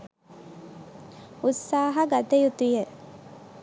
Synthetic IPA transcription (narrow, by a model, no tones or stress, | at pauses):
usːaːɦɐɡat̪ejut̪uje